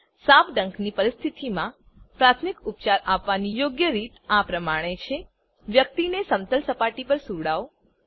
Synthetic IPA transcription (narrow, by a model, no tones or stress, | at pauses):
sãpɖəŋknipəɾɪst̪ʰit̪imã | pɾat̪ʰmikupt͡ʃaɾapʋanijoɡjəɾit̪apɾəmaɽ̃et͡ʃʰe | ʋjək̚t̪inesəmt̪əlsəpaʈipəɾsuɽao